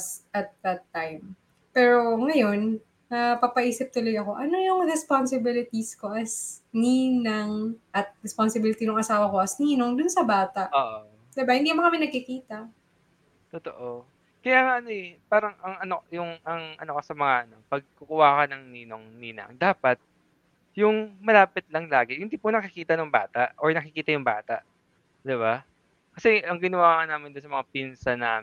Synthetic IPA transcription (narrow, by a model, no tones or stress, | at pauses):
sʔɐt̪̚ðɐt̪ːajm | pɛːɾo̞ŋɐjo̞n | ɐpɐpɐʔiːsɪp̚t̪ʊlɐɡɐko̞ʔɐno̞jʊŋɾɛspansɪbɪlɪt̪isko̞ʔɐsniːnɐŋʔɐt̪̚ɾɛspɐnsɪbɪlɪt̪inʊŋʔɐsaːwɐko̞ʔɐsniːno̞ŋd̪ʊnsɐbaːt̪ɐʔoːʔo | saːbɐhɪnd̪ikmɐkɐmɪnɐɡ̚kɪkiːt̪ɐʔ | t̪ʊt̪o̰ʔo | kɐjaːŋaʔɐnoɛpaːɾɐŋɐŋɐnojʊŋɐŋʔɐ̰no̞kɐsɐmɐŋaʔɐno̞pɐɡ̚kʊkʊwaːkɐnɐŋniːnoŋniːnɐ̰ŋd̪aːpɐt̪̚ | jʊŋmɐlaːpɪt̪̚lɐŋlaːɡɛhɪnd̪iːpʊnɐkɪkiːt̪ɐnʊŋba̰ːt̪aʔʔoɹnɐkɪkiːt̪ɐjʊŋba̰ːt̪ɐʔ | d̪ɪβa | kɐsɛɐŋɡɪnɐwaːŋɐnaːmɪnd̪ʊnsɐmɐŋapinsɐnaː